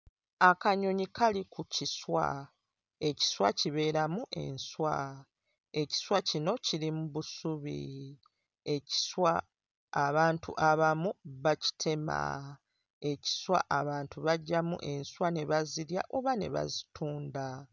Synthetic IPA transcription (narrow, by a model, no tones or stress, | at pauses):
akaɲo̞ɲikʰalikʰuciswa̰ | e̞ci̥swaciβe̞ːɾamuʔe̞̰nswa | e̞ci̥swacino̞cilimuβusuβḭ | e̞ci̥swaː | βaːntʰṵʔaβamuβaci̥tʰe̞ma̰ | e̞ci̥swa̰ʔaβaːntuβaɟːamṵʔe̞nswane̞βaziɾja̰ʔo̞βane̞̰βa̰zitʰuːnda